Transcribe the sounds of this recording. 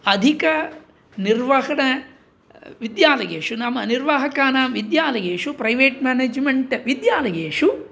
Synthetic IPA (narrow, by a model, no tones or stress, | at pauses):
ɐd̪ʱikɐ | niɾʋɐɦɐɳɐ | ʋid̪jaːlɐ̰jḛːʂunɐmːɐniɾʋaɦɐkaːnaːmʋid̪jaːlɐjeːʂupɾɐjʋeːʈmaːneːd͡ʒmeɳʈʋid̪jaːlɐjeːʂu